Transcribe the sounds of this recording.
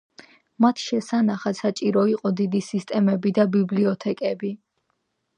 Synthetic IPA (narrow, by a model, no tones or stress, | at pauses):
mat̪ʰʃɛsanaχat̪sat͡ʃʼiɾɔiqʼɔd̪id̪isist̪ʼɛmɛbid̪abibliɔt̪ʰɛkʼɛbi